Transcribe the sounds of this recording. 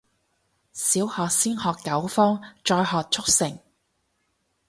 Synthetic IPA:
siː˨˥whɔː˨k̚siː˥nhɔː˨kːɐ˨˥wfɔː˥ŋt͡ʃɔː˧jɦɔː˨˧k̚t͡ʃʰʊ˥k̚sɪ˨˩ŋ

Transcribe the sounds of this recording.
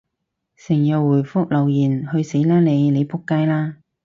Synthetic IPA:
sɪ˨˩ŋjɐ˨wːuː˨˩jfʊ˥k̚lɐ˨˩wjiː˨˩nhɵ˧ɥse˨˥jlaː˥le˨˧jne˨˧jpʰʊ˥kːaː˥jlaː˥

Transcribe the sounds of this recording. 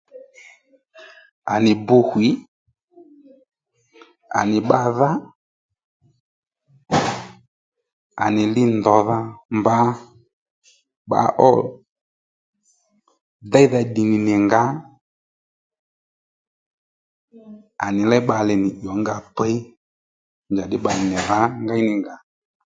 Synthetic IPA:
a˨nɪ˨bʊ˧hwi˨˦ | a̰˨nɪ˨ɓa˦˧ða˦ | a̰˨nɪ˨lɪ˦ndɔ˨˦ða˦mba˦ | ɓa̰˧˦ʔɔ˦ | da˦jða˧ɗi˨nɪ˨nɪ˨ŋɡa˨˦ | a̰˨nɪ˨lɛ˦ɓa˧lɛ˨nɪ˨ʄɔ˨˦ŋɡa˧pɛ˦i˦ | nd͡ʒa˨dɪ˦ɓa˨lɪ˨nɪ˨ða˨˦ŋɡa˦nɪ˨ŋɡa˨˦

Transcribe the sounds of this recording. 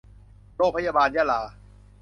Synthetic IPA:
ɾoː˥˩k̚pʰa˧˥jaː˧baː˧njaː˧˥˩laː˨˩

